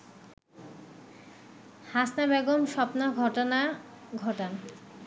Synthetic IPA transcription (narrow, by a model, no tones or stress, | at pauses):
hasnabɛɡomʃɔpnoɡʱɔʈona | ɡʱɔʈan